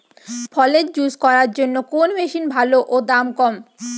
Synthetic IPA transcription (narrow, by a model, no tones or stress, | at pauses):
fʰɔled͡ʑuskɔɾaɾd͡ʑonːokonmeʃinbʱaloʔod̪amkɔm